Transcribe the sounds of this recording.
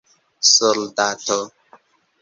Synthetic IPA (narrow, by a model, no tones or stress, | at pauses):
soldato